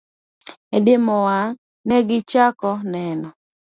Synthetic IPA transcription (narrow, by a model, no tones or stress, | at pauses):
ɛdɪmɔwaŋ | nɛɡɪt͡ʃakɔnɛnɔ